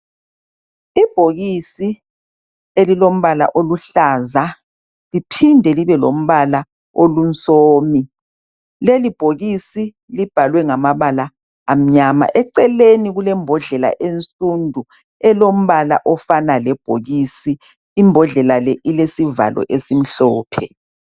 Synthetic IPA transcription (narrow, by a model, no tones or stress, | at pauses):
ib̥ʱoɣisi | elilom̩βala̰ʔoluɬaːza | lipʰindʱɛliβɛlom̩βala | olunt͡sʼoːmi | lelib̥ʱoɣisi | lib̥ʱalwɛŋamaβalaː | m̩ɲama̰ʔɛǀɛleniɣulɛmbʱɔɮɛla̰ʔent͡sʼundʱu | ɛlom̩βala̰ʔɔfanalɛb̥ʱoɣisiː | mbʱɔɮɛlalɛʔilesiva̰lɔ̰ʔesim̩ɬɔːpʰɛ